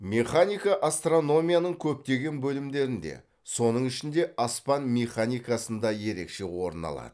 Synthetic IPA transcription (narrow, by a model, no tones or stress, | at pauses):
mʲe̞χanijkaʔast̪ro̞no̞mʲijanəɴkʲʰɵp̚t̪e̞ɡʲe̞nbɵlɪmd̪e̞ɾɪnd̪e̞̰ | so̞nəɴɪʃɪnd̪e̞ʔɑspɑnmʲe̞χanijkasənd̪ɑje̞ɾe̞̰kʃe̞wo̞ɾənɑ̰lˠɑ̰d̪̥ə